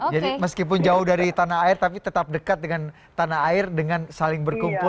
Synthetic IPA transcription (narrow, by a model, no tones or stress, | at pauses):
d͡ʒadiməskip̬ʊnd͡ʒaʊhdaɾit̪anaɦaɪrt̪apit̪ət̪ap̚dəkat̪̚dəŋan | t̪anaɦaɪrdəŋansalɪŋbərkumpʊ